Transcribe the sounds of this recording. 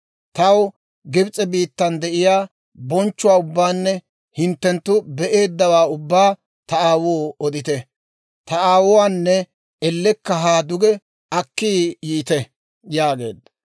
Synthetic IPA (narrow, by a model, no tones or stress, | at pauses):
t̪ɐw | ɡɪbt͡sʼɛbiːt̪ːɐnd̪ɛʔɪjaː | bɔnt͡ʃːʊwaːʊbːaːnːɛ | hɪnt̪ːɛnt̪ːʊbɛʔe̞ːd̪ːɐwaːʊbːaː | t̪ɐaːwoːɔd̪ɪt̪ɛ | t̪ɐaːwʊwaːnːɛ | ɛlːɛkːɐɦaːd̪ʊɡɛ | ɐkːiːjiːt̪ɛ | jaːɡe̞̰ːd̪ːɐ